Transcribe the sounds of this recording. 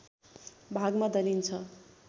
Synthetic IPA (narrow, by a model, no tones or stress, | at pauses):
bʱaɡmad̪ʌɾint͡sʰʌ